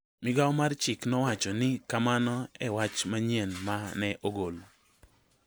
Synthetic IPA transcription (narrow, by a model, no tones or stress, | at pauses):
mɪɡawmart͡ʃɪknɔwat͡ʃɔnɪkamanɔɛwat͡ʃmaɲjenmanɛʔoɡolo